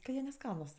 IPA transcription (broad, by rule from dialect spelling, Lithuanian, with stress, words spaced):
kɐ ˈjiɛ nʲɛˈskɑːnʊs